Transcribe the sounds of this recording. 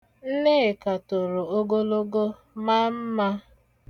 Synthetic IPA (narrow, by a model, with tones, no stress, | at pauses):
n̩˦ne˦˨ka˨to˨ɾo˨o˦ɡo˦lo˦ɡo˦ | ma˦m̩˦ma˦